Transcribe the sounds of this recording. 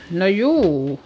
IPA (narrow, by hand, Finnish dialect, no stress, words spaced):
no juː